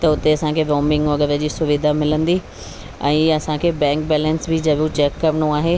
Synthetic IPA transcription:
t̪ɐʊt̪eɐsãkʰeːʋoːmɪ̃ŋɡʋɐɠəʋəd͡ʑiːsʊʋid̪ʱamɪlə̃nd̪i | ɛ̃ːɐsãkʰeːbɛ̃ːŋkbɛːlə̃nsbɪd͡ʑɐʋjũt͡ɕɛːkːɐɾəɳ̃õaːɦe

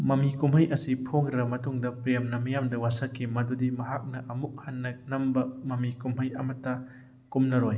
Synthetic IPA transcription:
mɐmikumɦhɐjʔɐsipʰoŋɾɐmɐtuŋdɐpɾejmnɐmɐjamdɐwasɐkʰimɐdudimɐɦak̚nɐʔɐmuk̚hanːɐnɐmbɐmɐmikumɦɐjɐ̰mɐtːɐ | kumnɐɾɔj

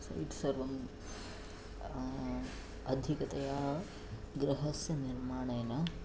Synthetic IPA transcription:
sɐ̰jʈsɐɾʋɐm | ɐd̪ʱikɐt̪ɐjaː | ɡɾɐɦɐsjɐniɾmaːɳɐjnɐ

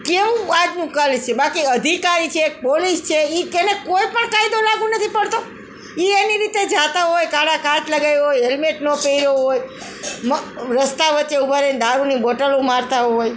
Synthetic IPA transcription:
keʋũad͡ʒnũkəlt͡ʃʰebakiəd̪ʱikaɾit͡ʃʰeːk̚polist͡ʃʰeikenekojpəɳkaid̪olaɡũnət̪ʰipəɽt̪o | ieniɾit̪ed͡ʒat̪aɦojkaɽakãt͡ʃləɡajɦojɦelmeʈnõpeiɾoɦoj | mɾəst̪aʋətːeubʱaɾend̪aɾunibɔʈəlũmaɾt̪aɦoj

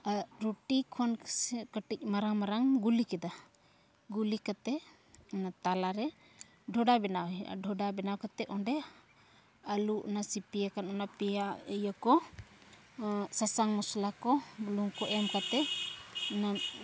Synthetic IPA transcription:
ɾuʈikʰɔnsɛkəʈic̚maɾaŋmaɾaŋɡulikɛd̪a | ɡulikat̪ɛ | t̪alaɾɛ | ɖʱɔɖabɛnawɛa̰ɖʱɔɖabɛnawkat̪ɛʔɔnɖɛ | aluʔnasipijakanɔnapijajakɔ | sasaŋmɔslakɔluŋkɔʔɛmkat̪ɛ | na

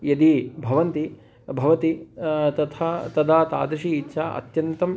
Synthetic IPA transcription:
jɐd̪ibʱɐʋɐnt̪i | bʱɐʋɐt̪it̪ɐt̪ʰat̪ɐd̪aːt̪a̰ːd̪ɾɐʃiːtːʃʰaʔɐ̰t̪jɐnt̪ɐm

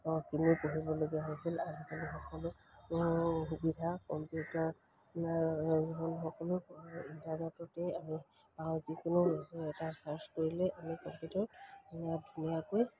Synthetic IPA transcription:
ɔkinipoɦibɔloɡiaɦojsilazikalixɔkɔlʊ | xubidʱakɔmpjutaɹ | ziɦɔnxɔkɔlʊintaɹnɛtɔtɛami | pawzikʊnʊɔsɔɛtasaɹskoɹilɛʔamikɔmpjutɔɹɛjadʱunijakoj

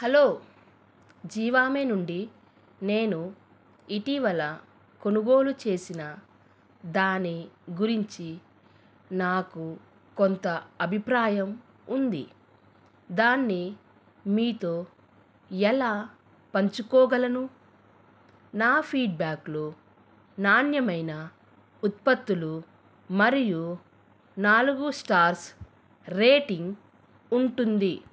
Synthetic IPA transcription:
hɐloː | d͡ʒiːʋaːme̞ːnuɳɖi | ne̞ːnu | iʈiʋɐlɐ | ko̞nuɡo̞ːlut͡ʃe̞ːsinɐ | d̪aːnːiɡuɾiɲt͡ʃi | naːku | kont̪ɐɐbʱipɾaːjɐm | und̪ḭ | d̪aːnːi | miːt̪o̞ː | ɛlaː | pɐɲt͡ʃukɔːɡɐlɐnu | naːpʰiːɖ̚baːklo | naːnjɐmɐjnɐ | ut̪̚pɐt̪ːulu | mɐɾiju | naːluɡusʈaːɾs | ɾeːʈiŋɡ | uɳʈund̪i

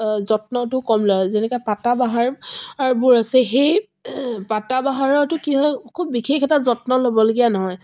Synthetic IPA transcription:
zɔtnɔtʊkɔmlɔzɛnɛkɔjpatabaɦaɹaɹubʊɹasɛxej | patabaɦaɹɔtʊkiɦɔjkʰubːixʰexɛtazɔtnɔlobɔloɡijanɔɦɔj

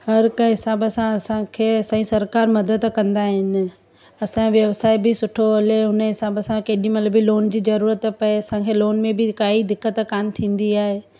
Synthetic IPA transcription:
hɐɾkəɦɪsaːbəsãɐsãkʰeːɐsɐ̃ĩsɐɾkaːɾmɐd̪əd̪kɐ̃nd̪aɦɪnɪ̆ | ɐsãʋjɐʋsaːɪbɪsʊʈʰoɦɐleɦʊnəɦɪsaːbəsãkeːɗĩmɐt̪ləbiloːnd͡ʑiːzɐɾuːɾət̪pɐeɐsãkʰeːloːnmẽbɪkaːɦid̪ɪkːət̪kaːmt̪ʰĩːn̆d̪iaːɦeː

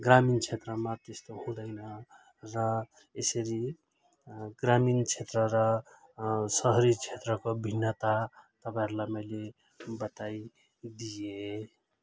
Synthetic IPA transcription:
ɡramint͡sʰet̪rʌmat̪est̪ohũɽʌjnʌ | rʌ | esʌɾi | ɡramint͡sʰet̪rʌɾʌ | sʌɦʌɾit͡sʰet̪rʌkobʱinːʌt̪at̪ʌpãeɾulajmʌjle | bʌt̪aj | d̪ije

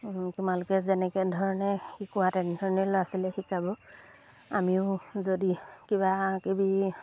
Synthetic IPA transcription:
tʊmalʊkɛzɛnɛkɛdʱɔɹɔnɛxikʊwatɛndʱɔɹɔnɛlɔasilɛxikabɔ | amiʊzodikibakibi

